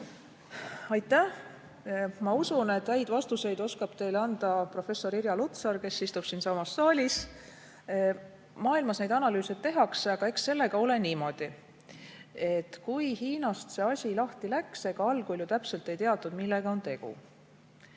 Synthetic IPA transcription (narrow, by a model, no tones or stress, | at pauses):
ɑjt̪ːˑæh | mɑusune̞t̪ːhæjd̪vɑst̪use̞jd̪̥o̞skɑb̥t̪e̞jlɑnd̪̥ɑpro̞fe̞sːo̞ɾiɾjɑlut̪sɑɾke̞sːist̪ub̥siːnsɑmɑsːɑːlʲis | mɑːilmɑsne̞jd̪ɑnɑlyːset̪ːe̞ɦɑkseɑɡ̥ɑe̞ksːe̞lːe̞ɡ̥ɑo̞le̞niːmo̞d̪̥i | e̞t̪kujhiːnɑst̪se̞ːɑsʲilɑht̪ilækseɡ̥ɑɑlɡulʲjut̪æpse̞lt̪ːˑe̞jt̪eɑt̪ːˑud̪milːe̞ɡ̥ɑo̞nt̪e̞ɡ̥ṵ